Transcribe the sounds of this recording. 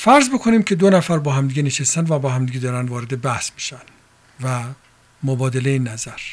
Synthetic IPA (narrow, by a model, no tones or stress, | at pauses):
fæɾzbo̞kʰoniːmcʰe̞d̪onæfæɾbɒːhæmd̪iːɡeneʃest̪ænd̪væbɒːhæmd̪iːɡed̪ɒːɾænd̪vɒːɾed̪ebæhsmiʃæn | væ | mobɒːd̪eleinːæzæɾ